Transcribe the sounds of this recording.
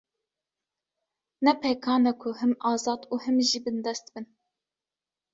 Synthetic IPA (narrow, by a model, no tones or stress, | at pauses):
nɛpʰɛkʰɑːnɛkʰʊhɨmɑːzɑːd̪uːhɨmʒiːbɨnd̪ɛst̪bɨn